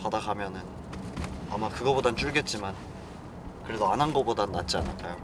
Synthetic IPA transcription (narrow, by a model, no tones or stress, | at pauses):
padaɡamjʌnɯn | amakɯɡʌbodant͡ɕuɭɡe̞t̚t͡ɕ͈iman | kɯɾe̞doanɦanɡʌbodanat̚t͡ɕ͈ianaɭk͈ʰajo